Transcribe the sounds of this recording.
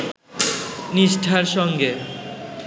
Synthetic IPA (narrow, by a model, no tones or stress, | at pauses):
niʃʈʰaɾʃɔŋɡe